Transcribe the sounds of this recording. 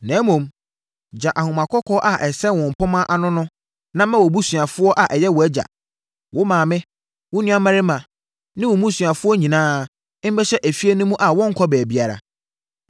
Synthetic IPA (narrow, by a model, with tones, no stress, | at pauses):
nɛ̃ː˨˦mũ˨m | d͡ʑa˨ʔa˨hʊ̃˨mã˨kʰɔ˦kʰɔː˦ʔa˨ʔɛ˨sɛ˦˨wɔ̃˨m̩˨pʰʊ̃˦mã˦ʔa˨nʊ̃˦nʊ̃˦ | nã˦mã˦wɔ˨bu˦sɥa˨fʊ˦ɔ˦ʔa˨ʔɛ˨jɛ˦wɔ˨æ˦d͡ʑa̰˨ | wʔʊ˦mãː˨mɪ̃˦ | wʊ˦nʊ̃˦ã˦mã˦ɾɪ˦mã˨ | nɪ̃˦wʊ̃˨mũ˦sɥa˨fʊ˦ɔ˦ɲĩ˨nãː˦ | m̩˦bɛ˦ɕɛ˦ʔæ˨fi˦e˦nʊ̃˦mũ˦ʔa˨wɔ̃˦ŋ̩˦kʰɔ˦bɛː˨bi˦a˨ɾa̰˨